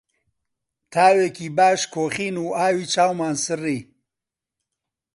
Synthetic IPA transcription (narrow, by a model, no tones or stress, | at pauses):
t̪ʰaːweːkiːbaːʃkʰoːχiːnuːaːwiːt͡ʃaːwmaːnsɨriː